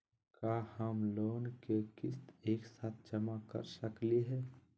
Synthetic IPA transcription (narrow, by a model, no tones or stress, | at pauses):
kaːhəmloːnkekɪst̪eːksaːt̪̚ʰd͡ʒəmakə̰ɾsəkliɦɛ